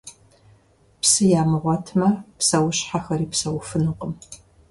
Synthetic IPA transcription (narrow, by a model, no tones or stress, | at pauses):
psɨjaːmɨʁʷɔtʰmɐpsɐwʊɕħaxɐɾiːpsɐwfɨnɨqʼəm